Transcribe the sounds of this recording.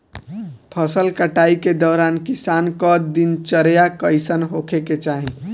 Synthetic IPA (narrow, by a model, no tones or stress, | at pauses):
pʰəsəlkəʈaiked̪ɔːɾankisankɔd̪int͡ʃəɾjakəɪsənɦokʰeket͡ʃaɦĩ